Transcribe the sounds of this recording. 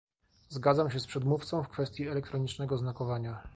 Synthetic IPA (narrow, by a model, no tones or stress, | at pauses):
zɡad̪zamɕ̬ɛspʂɛd̪muft̪sɔ̃w̃fkfɛst̪ʲjiɛlɛkt̪ɾɔɲit͡ʂnɛɡɔznakɔvaɲa